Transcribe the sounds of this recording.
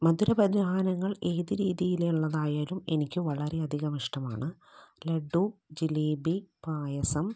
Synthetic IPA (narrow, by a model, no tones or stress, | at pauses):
mɐd̪uɾɐbɐd̪ʱaːnɐŋːɐɭe̞ːðiɾiːðijileuɭːɐðaːjaːlumenikʲːɨʋɐɭɐɾe̞ɐd̪ʱiɣɐmiʂʈɐma̰ːɳɨ | leɖud͡ʑiliːbipaːjɐsɐm